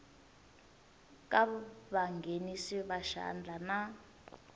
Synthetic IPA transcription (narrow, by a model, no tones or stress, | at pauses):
kʼaβaŋɡʱenisiβaʃa̰nd͡ɮʱana